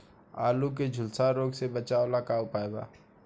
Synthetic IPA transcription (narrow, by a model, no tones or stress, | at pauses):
aːluk̬ed͡ʒʱʊlsaɾoːɡsebət͡ʃaːolakaʊpaːeba̰ː